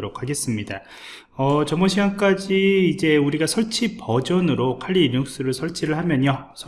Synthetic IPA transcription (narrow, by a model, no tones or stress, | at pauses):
ɾokʰːaɡe̞s͈ɯmɲida | ʌt͡ɕʌmʌɕʰiɡank͈ad͡ʑiːd͡ʑe̞uɾiɡasʰʌɭt͡ɕʰipʌd͡ʑʌnɯɾokʰaʎːiɲuk̚s͈ɯɾɯɭsʰʌɭt͡ɕʰiɾɯɭhamjʌɲjʌ | sʰ